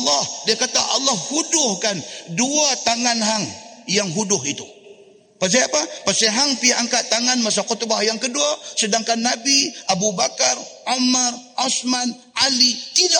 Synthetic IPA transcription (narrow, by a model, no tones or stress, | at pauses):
lːɔhdiakat̪aʔalːahhudʊhkanduat̪aŋanɦaŋjaŋɦudʊɦit̪u | pas̬eapapaseɦaŋpiaʔaŋkaʔt̪aŋanmas̬akɔt̪obahjaŋkəduasədaŋkanːabiʔabubakaramarʔasman | ʔalit̪ida